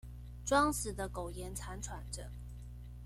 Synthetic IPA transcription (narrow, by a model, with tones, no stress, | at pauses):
ʈ͡ʂwɑ˥ŋsɹ̩˨˩d̪ə˦ko˨˩ʊjɛ˧˦nt͡sʰa˧˥nʈ͡ʂʰwa˧˥nʈ͡ʂə˨˦